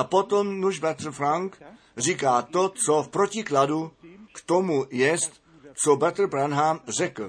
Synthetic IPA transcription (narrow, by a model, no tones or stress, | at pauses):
ʔapot̪omnuʒbat̪r̩fɾaŋk | r̝iːkaːt̪ot͡sofpɾocɪkladukt̪omujɛst̪ | t͡sobat̪r̩bɾanɦamrɛkl̩